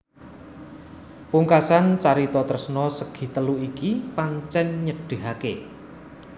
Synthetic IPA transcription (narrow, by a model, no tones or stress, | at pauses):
puŋkasant͡ʃaɾit̪ɔt̪ərsnɔsəɡ̥i̤t̪əluʔikipaɲt͡ʃɛɲɲəɖ̥e̤ɦake